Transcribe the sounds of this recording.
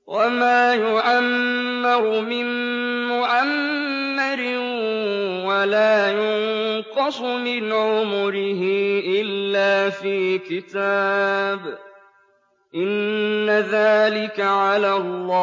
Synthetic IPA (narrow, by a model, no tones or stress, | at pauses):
wʔamaːjʊʕamː | ɪɾʊmɪn | mʊʕamː | ɪɾɪ | walaːjʊnqɑsˤmɪnʕʊmʊɾɪɦɪʔɪlːaːfiːkɪt̪aːb | ʔɪnːaðaːlɪkaʕalalːɑː